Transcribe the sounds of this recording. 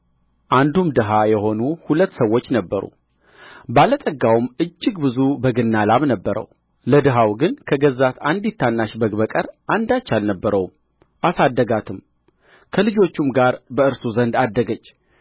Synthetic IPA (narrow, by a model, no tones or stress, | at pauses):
ʔand̪umd̪ɨɦajɛho̞nuhulət̪ːsəwːo̞t͡ʃːnəbːəɾṵ | balət̪ʼəɡawmʔɨd͡ʒːɨɡbɨzubəɡɨnːalaβnəbːəɾə̰w | ləd̪ɨɦawɡɨnkʰəɡəzːat̪and̪it̪ʰːanːaʃbəɡbəkʼəɾʔand̪at͡ʃːalnəbːəɾəw | ʔasad̪ːəɡat̪ʰɨm | kʰəlɨd͡ʒo̞t͡ʃːumɡaɾbəɨɾsuzənd̪ad̪ːəɡət͡ʃː